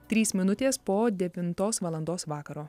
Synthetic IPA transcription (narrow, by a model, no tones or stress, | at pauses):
t̪ʲɾʲiːsmʲɪnʊt̪ʲeːspoːd̪ʲɛʋʲɪnt̪oːsʋɐlˠɐnd̪oːsʋɑːkɐɾoː